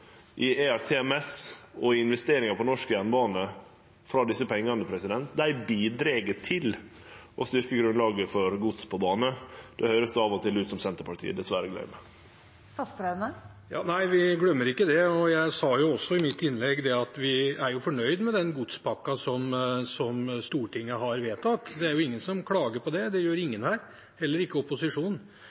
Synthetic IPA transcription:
ʔɪeæɾt̪ʰeːɛmɛsɔɪɪnʋɛst̪eːɾɪŋɑpʰɔnɔʂkəjænbɑːnə | fɾɑd̪ɪsːəpʰɛŋːɑnəpʰɾɛsɪd̪ɛnt̪̚d̪æɪbiːd̪ɾeɡət̪ʰɪl | ʔɔst̪ʏɾkəɡɾʉnlɑːɡəfɔɾɡut̪spʰɔbɑːnəd̪̥ɛhœːɾəsd̪ɛɑːʋɔt̪ʰɪlʉːt̪sɔmsɛnt̪əɾpɑʈʰḭːəd̪ɛsʋæɾəɡlœ̰ʏmə | fɑst̪ɾed̪nə | jɑ̰ːnæɪʋɪɡlœmːəɾɪkːəd̪ɛɔjæɪsɑjʊɔsːɔɪmɪt̪ːɪnlɛɡd̪ɛɑt̪ʋɪæɾjʊfɔɳœʏd̪mɛd̪ɛnɡʊt̪spʰɑkːɑsɔmsɔmst̪uːʈʰɪŋːəɦɑɾʋeːt̪ɑt̪ːd̪ɛæɾjʊɪŋːənsɔmkʰlɑːɡəɾpɔd̪ɛd̪ɛjøːɾɪŋːənhæːɾ | hɛlːəɾɪkːəɔpʊsɪʂuːn

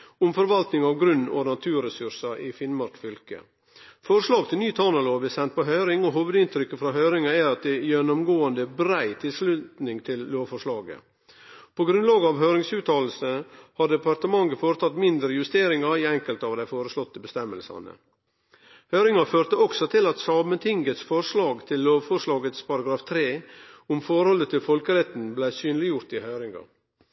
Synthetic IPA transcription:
ʊmfɔɾʋɑlt̪nɪŋɑːʋɡɾʉnːɔ̰nɑt̪ʰʉːɾɛsʉɾʂɑʔifɪnmɑɾkfʏlkə̰ | fɔɾʂlɑːɡ̚t̪ʰɪlnyːt̪ʰɑnɑloːbɪsɛnt̪̚pɔɦœʏɾɪŋɔɦoːʋəd̪ɪnt̪ʰɾʏkːəfɾɑɦœʏɾɪŋɑæɾɑt̪̚d̪ɛjɛnːɔmɡoːənd̪əbɾæɪt̪ʰɪlslʉt̪nɪŋt̪ʰɪlloːʋfɔʂɭɑːɡə̰ | pʰɔɡɾʉnlɑːɡɑʋɦœːɾɪŋsʉːt̪ʰɑːll̩səhɑɖɛpɑɾt̪əmɑŋəfoːɾət̪ʰɑt̪mɪnd̪ɾəjʉst̪eːɾɪŋɑiɛŋkəlt̪ɑːʋd̪æɪfoːɾəslɔt̪ːəbəst̪ɛmːəlsɑ̰nə̰ | hœʏɾɪŋɑføːɾt̪əɔksɔt̪ʰɪlɑt̪sɑːmənt̪ʰɪŋɡət̪sfɔɾʂɭɑːɡt̪ʰɪlːoːʋfɔʂɭɑːɡət̪spʰɑɾɑɡɾɑːft̪ʰɾeːʊmfɔɾhɔlət̪ʰɪlfɔlkəɾɛt̪n̩blæɪsyːnlɪjʊɾt̪ɪhœʏɾɪŋɑ̰

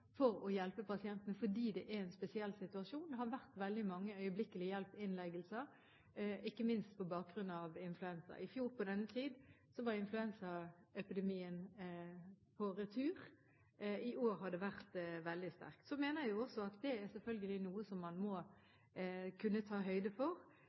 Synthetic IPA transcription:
fɔɾɔjɛlpəpɑsɪɛnt̪ənəfɔɖiːd̪ɛʔæɾɛnspɛsɪɛlːsɪt̪ʉɑʂuːnd̪ɛɦɑɾʋæʁt̪ʋɛld̪ɪmɑŋːəœʏəblɪkəlɪjɛlpɪnlæɪɡəlsəɾ | ɪkːəmɪnst̪pʰɔbɑːk̚ɡɾʉnɑʋɪnflʉɛnsə̰ɾɪfjuːɾpɔd̪ɛnːət̪ʰiːd̪sɔʋɑɾɪnflʉɛnsəɛpɪd̪ɛmiːən | pʰɔɾət̪ʰʉːʁ | ɪʔoːɾhɑd̪ɛʋæʁt̪ʋɛld̪ɪst̪æ̰ɾkt̪sɔmeːnəjʊɔsɔɑt̪d̪ɛæɾsɛlfœlɡəlɪnuːəsɔmːɑnmɔ | kʰʉnːət̪ʰɑːɦœʏd̪əfɔʁ

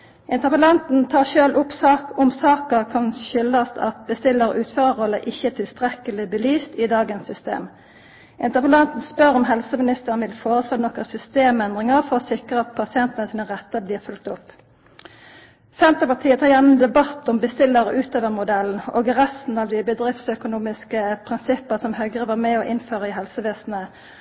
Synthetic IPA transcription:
ʔɪnt̪əʁpəlɑnt̪n̩t̪ʰɑːʁʃøːlʔʊpsɑːkʊmsɑːkəʁkʰɑnɕʏlːəsɑ̰t̪bəst̪ɪlːəʁəʔʉːt̪føːʁəʁɔlːəʔɪçːət̪ʰɪlst̪ʁɛkəlɪbəlyːst̪ɪd̪ɑːɡənsːʏst̪ḛːm | ʔɪnt̪əʁpəlɑnt̪n̩spœʁɔmɦɛlsəmɪnɪst̪əʁənʋɪlfoːʁəsløːnɔkəsʏst̪eːmɛnd̪ʁɪŋəʁfɔʁɔsɪkʁəɑt̪̚pʰɑsɪɛnt̪ənəsiːnəʁɛt̪ːəbliːʁfʉlk̚t̪ʊp | sɛnt̪əpɑt̪ʰiːət̪ʰɑːʁjæʁnmnd̪ɛbɑt̪ɔmbəst̪ɪlːəʁəʔʉːt̪ʰøːʋəʁmʊd̪ɛln̩o̰ːɡʁɛst̪n̩ɑʋd̪ɪbəd̪ʁɪft̪sœkʊnuːmɪskəpʰʁɪnsɪpːəsɔmhœɡʁəʋɑːʁmɛɔːʔɪnføːʁəɪɦɛlsəʋeːsn̩ə

